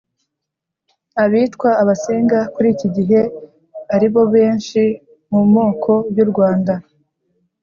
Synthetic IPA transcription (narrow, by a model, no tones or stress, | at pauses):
aβiːtkwaːβase̞ːŋɡakuɾiːciɟiɦe̞ | aɾiβo̞βe̞ːnʃi | mumo̞ːkʰo̞juɾɡwaːnda